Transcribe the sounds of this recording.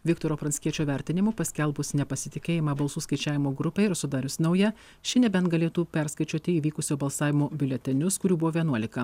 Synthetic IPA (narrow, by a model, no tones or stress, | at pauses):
ʋʲɪkt̪oːɾoːpɾɐnʲsʲkʲiɛt͡ʃʲoːʋʲɛɾʲt̪ʲɪnʲɪmʊpɐsʲkʲɛlˠbʊsnʲɛpɐsʲɪt̪ʲɪkʲeːjɪmɐbɐlˠsuːskɐɪt͡ʃʲæːʋʲɪmoːɡɾʊpʲɛɪɾsʊd̪ɑːɾʲʊsnɐʊjɛ | ʃʲɪnʲɛbʲɛnt̪ɡɐlʲeːt̪uːpʲɛɾskɐɪt͡ʃʲuɔt̪ʲɪiːʋʲiːkʊsʲoːbɐlˠsɑːʋʲɪmoːbʲɪlʲɛt̪ʲɪnʲʊskʊɾʲuːbʊʋoːʋʲiɛnuɔlʲɪkɐ